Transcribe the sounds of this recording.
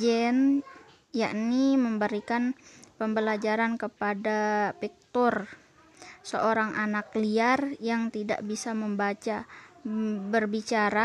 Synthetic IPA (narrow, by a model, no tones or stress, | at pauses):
d͡ʒɛn | jaʔniməmbəɾikanpəmbəlad͡ʒaɾankəpadapik̚t̪ɔr | səoɾaŋʔanakliarjaŋt̪ida̰ʔbisaməmbat͡ʃa | bərbit͡ʃaɾa